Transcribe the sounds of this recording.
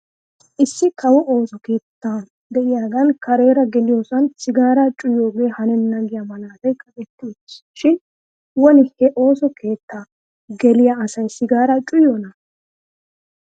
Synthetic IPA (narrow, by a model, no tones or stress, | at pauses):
ʔɪsːɪkʰɐwɔʔo̞ːsɔke̞ːt̪ːaː | d̪ɛʔɪjaːɡɐnkɐɾe̞ːɾɐɡɛlɪjo̞ːsɐnsɪɡaːɾɐt͡ʃʼʊjo̞ːɡe̞ːhɐnɛnɐɡɪjɐmɐlaːd̪ɐjkʼɐkʼɛt̪ːɪ | ʃɪn | wɔnɪhɛʔo̞ːsɔkʰe̞ːt̪ːaː | ɡɛlɪjaːsɐjsɪɡaːɾɐt͡ʃʼʊjonɐ